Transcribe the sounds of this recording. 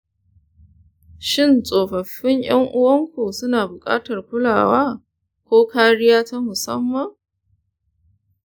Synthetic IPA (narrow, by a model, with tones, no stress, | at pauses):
ʃɪ˦˨nsʼoː˨ɸɐ˨ɸːɪ˦ŋj̰ɐ˦ŋʔʊ˦wɐ˦ŋkʷuː˨sʊ˦naː˨bʊ˨kʼa̰ː˦tɐ˨rkʷʊ˦laː˨waː˦ | kʷoː˦kaː˦ɽɪ˦jaː˦ta˦mʊ˨sɐ̰˦mːɐ˨ŋ